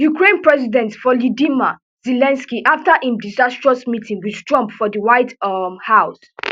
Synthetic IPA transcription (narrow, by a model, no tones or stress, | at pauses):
jukɹẽnpɹɛzidɛ̃ntfɔlɔdima | zɛlɛ̃nskiʔaftaʔĩmdizastɹɔsmitĩŋɡwiðtɹɔ̃mpfɔðiwaɪdmhaʊs